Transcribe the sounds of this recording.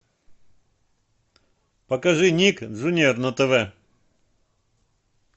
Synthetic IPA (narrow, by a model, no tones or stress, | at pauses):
pɐkɐʐɨnʲikʐʊnʲernɐt̪ɛvɛ